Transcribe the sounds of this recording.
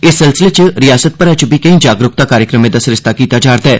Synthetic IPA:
ɪsːɪlsɪlet͡ʃɾijaːsət̪̚pɐɾɛt͡ʃubʱikɐĩːd͡ʒaːɡɾʊk̚t̪akaːɾjəkɾəmẽd̪ɐsɾɪst̪akiːt̪ad͡ʒaːɾd̪ɛː

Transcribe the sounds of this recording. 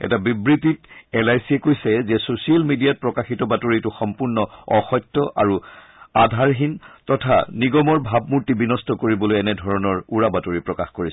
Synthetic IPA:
ɛ̰tabibɹititɛlajsiɛkojsɛzɛsosialmidijat̚pɹɔkaxitɔbatoɹituxɔmpuɹnɔɔxɔjtːɔʔa̰ɹu | adʱaɹɦintɔtʰa̰niɡɔmɔɹbʱabmuɹtibinɔstɔkoɹibɔlojɛnɛdʱɔɹɔnɔɹuɹabatoɹipɹɔkaxkoɹis

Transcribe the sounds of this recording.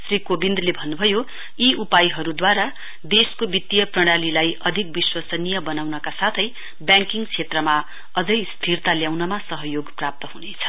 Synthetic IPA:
srikobind̪lebʱʌnːubʱʌjo | iupajɦʌɾud̪waɾa | d̪eskobit̪ːijʌprʌɽ̃alilajʌd̪ʱik̚biswasʌnijʌbʌnawnʌkasat̪ʰʌj | bjãŋkiŋɡt͡sʰet̪rʌma | ʌd͡zʌjst̪ʰirt̪aljawnʌmasʌɦʌjoɡprap̚t̪ʌɦunet͡sʰʌ̥

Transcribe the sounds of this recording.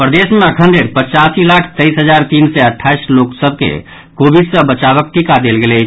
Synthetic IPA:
pɾəd̪esmẽəkʰə̃nɖeɾpət͡ʃasilakʰt̪əisɦəd͡ʒaɾt̪insɛəʈʰːaisloksəb̚ʱkḛ | kobidsəbət͡ʃaβək̚ʈikad̪elɡelɛt͡ʃʰ

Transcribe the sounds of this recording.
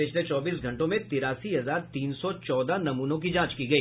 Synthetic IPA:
ɪt͡ʃʰlet͡ʃɔːbiːsɡʱɐ̃ɳʈõmẽt̪ɪɾaːsiɦɐzaːɾt̪iːnsɔt͡ʃɔːd̪anɐmuːnõk̬id͡ʒãːt͡ʃkiɡɐiː

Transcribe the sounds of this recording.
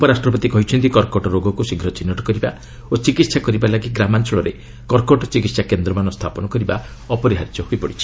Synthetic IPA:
pɔɾasʈɾɔpɔt̪ikɔɦit͡ʃʰɔnt̪ikɔɾkɔʈɔɾoɡɔkusiɡʱɾɔt͡ʃinːɔʈɔ̥kɔɾiba | ot͡ʃikit̪sakɔɾibalaɡiɡɾamant͡ʃɔɭɔɾe | kɔɾkɔʈɔt͡ʃikit̪sakend̪ɾɔmanɔst̪ʰapɔnɔkɔɾiba | ɔpɔɾiɦaɾd͡ʒɔɦuipɔɽit͡ʃʰi̥

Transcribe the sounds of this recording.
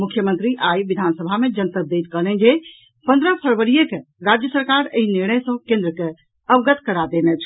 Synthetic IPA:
mukʰjəmənt̪ɾiʔajʋid̪ʱansəbʱamed͡ʒənt̪əd̪et̪kəlɛnd͡ʒe | pə̃nd̪ɾəpʰəɾʋəɾijekeɾad͡ʒjəsəɾkaɾeiniɾnəjsə̃kẽnd̪ɾəke | əbɡət̪kəɾad̪enɛt͡ʃʰ

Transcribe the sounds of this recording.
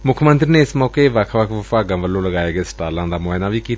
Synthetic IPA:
mʊkʰmə̃nt̪ɾineːɪsmɔːkeʋəkʰʋəkʰʋəfaːɡə̃mʋəlːõːləɡaːeːɡesə̥ʈaːɾlãːd̪aːmoenãːʋiːkiːt̪ː

